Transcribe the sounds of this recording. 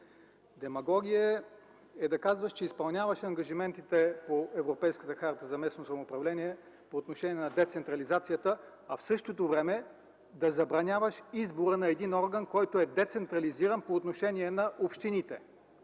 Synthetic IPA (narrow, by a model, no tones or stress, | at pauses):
d̪ɛmɐɡɔɡʲiə | ɛd̪ɐkazvəʃt͡ʃɛispɐlˠnʲavɐʃɐŋɡɐʒimɛnt̪it̪ɛpoɛvɾopɛjskət̪əxaɾt̪əzɐmɛsnosɐmoːpɾɐvlɛniɛ | poːt̪noʃɛniɛnɐd̪ɛt̪sɛnt̪ɾɐlizat̪sijət̪ə | ɐfsɤʃt̪ot̪ovɾɛmɛ | d̪ɐzɐbɾɐnʲavəʃizboɾənɐɛd̪inɔɾɡənkɔjt̪oɛd̪ɛt̪sɛnt̪ɾɐliziɾənpoːt̪noʃɛniɛnɐʔopʃt̪init̪ɛ